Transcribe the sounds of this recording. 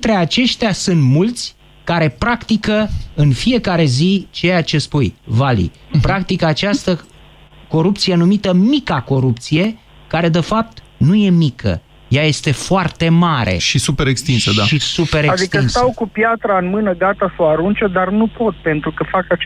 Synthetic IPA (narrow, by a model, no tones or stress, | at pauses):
t̪ɾe̞at͡ʃe̞ʃt̪easɨnt̪mult̪sʲ | kaɾe̞pɾakt̪ikəɨnfije̞kaɾe̞zit͡ʃejat͡ʃe̞spujvalḭ | pɾakt̪ikəːt͡ʃast̪ə | ko̞ɾupt̪sije̞numit̪əmikako̞ɾup̚t̪sije̞ | kaɾe̞d̪e̞fap̚t̪ | nuje̞mikʰə̰ | jaje̞st̪e̞foart̪e̞maɾḛʃisupeɾekst̪insəd̪aʃisupe̞ɾeadsik̪tənst̪awkupjat̪ɾaɨnmɨnəɡat̪asoaɾunt͡ʃed̪arnupo̞t̪̚pe̞nt̪ɾukəfakat͡ʃ